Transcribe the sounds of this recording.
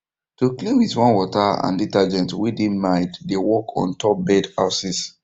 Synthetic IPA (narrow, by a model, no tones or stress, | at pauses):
tukliwitwɔ̃nwɔtaã̰nditad͡ʒɛ̃ntwidĩnmaɪddewɔkʰɔ̰̃ntʰɔp̚bɛdaʊsis